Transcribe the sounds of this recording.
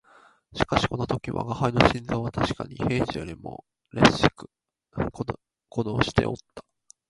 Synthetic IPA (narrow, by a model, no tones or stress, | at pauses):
ɕi̥kaɕi̥ko̞not̪o̞kʲiβa̰ɡahaino̞ɕĩnd͡zoːβat̪aɕi̥kaɲ̟ihe̞ːʑijoɾʲimo̰ | ɾeɕi̥kɯ̥ | k | kod̪oːɕi̥t̪e̞̰o̞̰t̪ːḁ